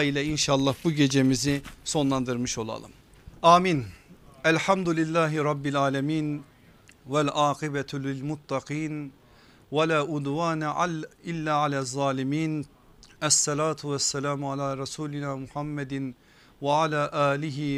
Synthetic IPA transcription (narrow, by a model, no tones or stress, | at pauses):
ilʲɛinʃaːlˠːɑhbuɟe̞d͡ʒe̞miziso̞nlˠɑnd̪ɯɾmɯʃo̞lˠɑ̰lˠɯ̰m | ʔaːminælħamd̪ulilːaːɦiɾˤɑbːilʕaːlamiːn | vælʔaːqibɛt̪ʰlɪlmʊt̪ʰːɑqiːn | walaːʔʊd̪waːnilːaːʕalazˤːɑːlimiːn | asːɑlaːt̪ʰuwasːælaːmʕalaːɾɑsuːlinaːmuħamːɛd̪ɪn | vaʕalaːʔaːlɪɦi